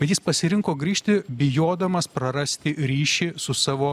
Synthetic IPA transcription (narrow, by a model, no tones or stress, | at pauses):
bʲɛt̪jɪspɐsʲɪɾʲɪŋkoːɡɾʲiːʃʲt̪ʲɪbʲɪjoːd̪ɐmɐspɾɐɾɐsʲt̪ʲɪɾʲiːʃʲɪsʊsɑːʋoː